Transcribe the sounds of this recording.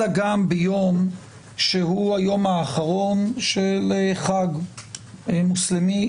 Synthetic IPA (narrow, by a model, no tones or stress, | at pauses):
aɡambejo̞m | ʃeɦuhajo̞maːχaʁo̞nʃeleχaɡ | muslemi